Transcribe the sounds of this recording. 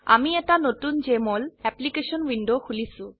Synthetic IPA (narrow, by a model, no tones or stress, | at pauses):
a̰miɛʈanot̪und͡ʑemolɛplikeʃonwiɳɖokʰulisu